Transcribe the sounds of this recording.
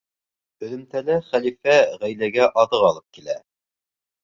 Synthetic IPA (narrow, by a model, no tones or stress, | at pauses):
ɵ̆ðɵ̆mt̪ælæχælifæʁæjlæɡæʔɑðɤqɑlˠɤp̚kilæ